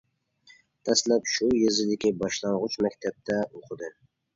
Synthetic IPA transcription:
t̪ʰɛslæpʃujizɪd̪ɪkʲibɑʃlˠɑɴʁʊt͡ʃmɛkʲt̪ʰɛp̚t̪ʰɛoqʰəd̪ɨ

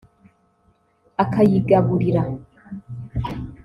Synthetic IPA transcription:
akajiɡaβuɾiɾa

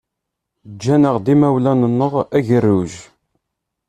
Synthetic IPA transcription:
d͡ʒːænəʁd̪imæwlænənːəʁæʝərːuʒ

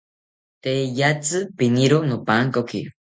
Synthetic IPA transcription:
t̪ejat͡sɨpiniɾonopaŋkoki

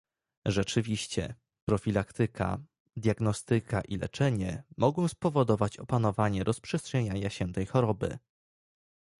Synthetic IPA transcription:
ʐɛt͡ʂɘvʲiɕt͡ɕɛ̰ | pɾɔfʲilakt̪ɘkʰa̰ | d̪ʲjaɡnɔst̪ɘkʰaʔilɛ̰t͡ʂɛɲɛmɔɡɔ̃w̃spɔvɔd̪ɔvat͡ɕɔpanɔvaɲɛɾʔɔspʂɛstʂɛɲaɲaɕɛt̪ɛjxɔɾɔbɘ̰

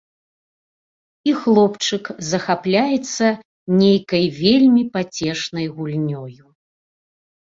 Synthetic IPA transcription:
ixlˠɔpt͡ʂɨkzɐxaplʲajɛt̪sːɐ | nʲejkɐjvʲeɛlʲmʲipat͡sʲɛʂnɐjɣulʲnʲɔju

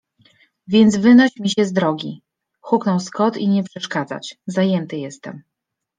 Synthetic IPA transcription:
vʲjɛnd̪zvɘnɔɕmʲiɕɛzd̪ɾɔɡʲi | xuknɔwskɔt̪iɲɛpʂɛʂkad̪za̰t͡ɕzajɛnt̪ɘjɛst̪ɛ̰m

